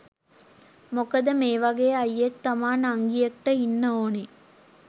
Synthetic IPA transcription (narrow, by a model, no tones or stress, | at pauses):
mokɐd̪əmeːʋɐɡeːɐjːekt̪ɐmaːnaŋɡijɐkʈəinːəoːne